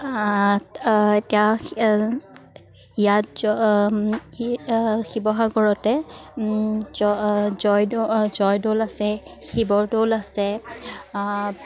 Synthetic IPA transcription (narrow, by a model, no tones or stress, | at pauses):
etia | ijat | xibɔxaɡɔɹɔtɛ | ɔzɔjzɔjdolasɛxibɔɹdolasɛ